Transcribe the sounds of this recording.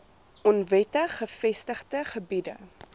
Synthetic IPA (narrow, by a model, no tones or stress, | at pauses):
ʔɔnvɛtəχəfɛstəχtəχəbidə̰